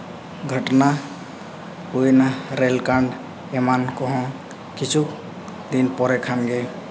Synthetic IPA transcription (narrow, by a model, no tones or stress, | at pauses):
ɡʱəʈna | ujnaɾelkaɳɖ | emankɔɦɔ̃ | kit͡ʃʰuk | d̪inpɔɾɛkʰanɡe